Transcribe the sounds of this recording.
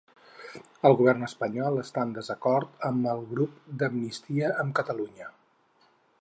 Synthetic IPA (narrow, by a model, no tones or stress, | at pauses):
əlˠɣuβɛrnəspəɲɔlˠəst̪and̪əzəkɔɾt̪əməlˠɣɾupd̪əmnist̪iəʔəmkət̪əluɲə